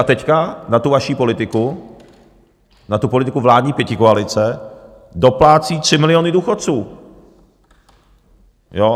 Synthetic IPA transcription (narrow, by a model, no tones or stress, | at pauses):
at̪ɛckanat̪uvaʃiːpo̞lɪt̪ɪku | nat̪upolɪt̪ɪkuvlaːdɲiːpjɛcɪkoalɪt͡sɛ | do̞plaːt͡siːt̪r̥ɪmɪlɪoːnɪduːxot̪̚t͡suː | jo